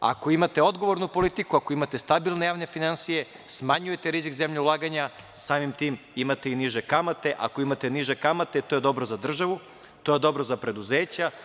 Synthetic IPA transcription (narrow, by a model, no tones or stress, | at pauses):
a̰ko̞imat̪e̞o̞d̪ɡo̞ʋo̞ɾnupo̞lit̪ikuakoimat̪e̞st̪abilˠne̞jaːʋne̞finansije̞ | smaɲujet̪eɾizikzemʎeulˠaːɡaɲa | saːmimt̪imimat̪einiʒekamat̪e̞ʔa̰ko̞imat̪e̞niʒe̞kamat̪et̪o̞jed̪o̞bɾozad̪r̩ʒaʋu | t̪o̞jed̪o̞bɾozapɾe̞d̪uzeːt͡ɕa